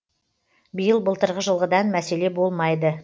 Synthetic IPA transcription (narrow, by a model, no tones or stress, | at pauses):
bəjəlˠbəlˠt̪əɾʁəʒəlˠʁəd̪ɑnmæse̞le̞bo̞lˠmɑjd̪ə